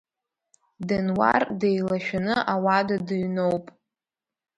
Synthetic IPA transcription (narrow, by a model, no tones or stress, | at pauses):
dɨnwa̰rdejlaʃᶣanɨʔawadadɨɥnowpʼ